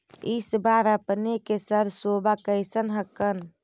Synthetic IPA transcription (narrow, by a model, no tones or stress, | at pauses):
isbaɾəpnekesəɾsobakəjsənɦəkən